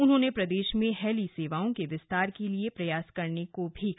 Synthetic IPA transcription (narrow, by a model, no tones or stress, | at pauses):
ʊnɦõːnepɾɐd̪eːʃmẽɦɛːliseːʋaːõkeʋɪst̪aːɾkeliepɾɐjaːskɐɾnekobʱi